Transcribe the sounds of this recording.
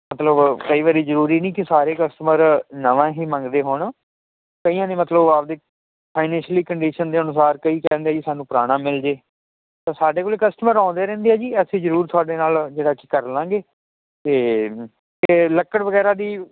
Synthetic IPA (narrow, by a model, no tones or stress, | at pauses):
mət̪ləbkəiːʋaːɾiːzəɾuːɾiːnĩːkɪsaːɾeːkəsʈəməɾnəʋãːɦiːmə̃ŋɡd̪eːɦoːɳ | kəiːãːnẽːmət̪ləbaːpd̪eː | pʰaːɪnɛ̃ːnʃliːkəɳɖiːʃənd̪eːənʊsaːɾkəiːkɛ̃ːnd̪eɛːd͡ʒiːsaːnũːpɾaːɽ̃ãːmɪld͡ʒeː | t̪ãːsaːɖeːkoːleːkəsʈəməɾãːnd̪eːɾɛ̃ːnd̪eɛːd͡ʒiːɛːseːzəɾuːɾt̪ʰʊaːɖeːnaːld͡ʒeːɽaːki̥kəɾlãːɡeː | t̪eː | k̪eləkːəɽʋəɡɛːɾaːd̪iː